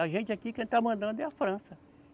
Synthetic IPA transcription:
aʒẽnt͡ʃɪakikẽt̪amɐ̃nd̪ɐ̃d̪ɛafɾɐ̃sɐ

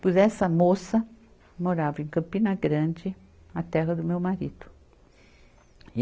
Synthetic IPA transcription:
puzɛsɐmosɐ | moɾavẽŋkɐ̃mpinɐɡɾɐ̃nd͡ʒɪ | at̪ɛɣɐd̪ʊmewmaɾid̪ʊ̥

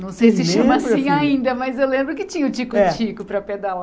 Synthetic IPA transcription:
nɐ̃w̃sejsɪʃɐ̃masĩaĩnd̪ɐmɐzewlẽmbɾʊkɪt͡ʃĩɲɐʊt͡ʃikʊt͡ʃikʊpɾɐped̪ala

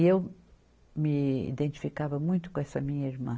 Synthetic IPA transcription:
ew | mɪḭd̪ẽnt̪i̥fikavɐmũj̃t̪ʊ̥ukõɛsɐmĩɲɐiɾmɐ̰̃

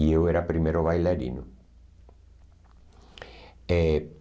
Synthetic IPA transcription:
ieweɾapɾimeɾoβajlaɾḭnʊ | e

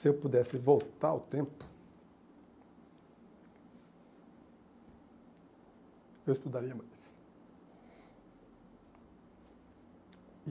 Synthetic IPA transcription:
sɪewpud̪ɛsɪvowt̪aɾa̰wt̪ẽmpʊ̥ | ewɪst̪ud̪aɾiɐmajs

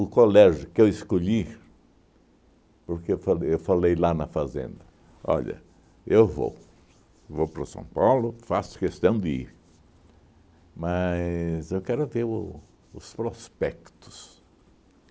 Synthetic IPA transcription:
ʊkolɛʒʊkɪewɪskoʎi | poɾkeewfalewfalejlanɐfazḛ̃nd̪ɐ | ɔ̰ʎɐ̰ | ewvo̰w | vowpɾɐsɐ̰̃w̃pawlʊfasʊ̥kest̪ɐ̃w̃d̪ɪḭɾ | mɐzewkɛɾʊveɾʊ | ʊspɾospɛkt̪ʊ̥s

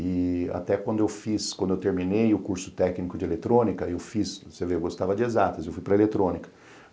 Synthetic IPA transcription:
ɪa̰t̪ɛkwɐ̃nd̪ʊewfiskwɐ̃nd̪ʊewt̪eɾmĩnejʊkuɾsʊ̥t̪ɛknikʊd͡ʒɪelet̪ɾõnikɐewfisseveewɡost̪avɐd͡ʒɪezat̪ɐzewfujpɾɐelet̪ɾõnikɐ̥

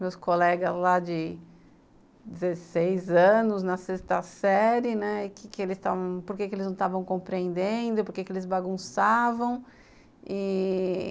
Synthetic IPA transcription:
mewskolɛɡɐzlad͡ʒɪ | d͡ʒɪzesejzɐ̃nʊznɐsest̪ɐsɛɾɪnɛkɪkɪelɪst̪avɐ̃w̃poɾkekɪelɪznɐ̃w̃t̪avɐ̃w̃kõpɾiẽnd̪ẽd̪ʊpoɾkekɪelɪzbaɡũsavɐ̃w̃ | ɪ

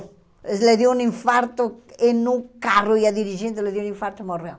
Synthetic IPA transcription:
leðjounĩɱfaɾt̪ʊenukarʊiaðiɾiʒent̪eleðjounĩɱfaɾt̪ʊmorew

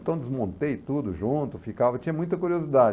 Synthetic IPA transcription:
t̪ɐ̃w̃d̪ɪzmõnt̪ejt̪ud̪ʊʒũt̪ʊfikavɐt͡ʃĩɲɐmũj̃t̪ɐkuɾiozid̪ad͡ʒ

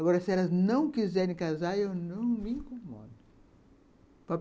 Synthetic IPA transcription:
aɡɔɾɐsɪɛlɐznɐ̃w̃kizɛɾẽj̃kazaɾewnɐ̃w̃mɪĩkõmɔ̰d̪ʊ | pa

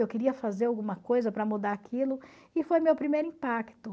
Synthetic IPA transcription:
ewkeɾiɐfazeɾawɡũmɐkojzɐpɾɐmud̪aɾakilʊ | ɪfojmewpɾimejɾʊĩpakt̪ʊ

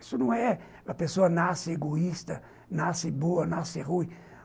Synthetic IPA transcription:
isʊnɐ̃w̃ɛ | ɐpesoɐnasɪeɡoist̪ɐ | nasɪboɐnasɪʁuj

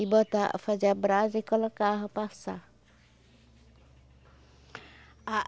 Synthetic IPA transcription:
ibɔt̪aʔfad͡ʒabɾazikɔlɔkaɦɔpasa | a

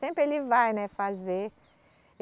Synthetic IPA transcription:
ẽmpɾɪelɪvajnɛfaze

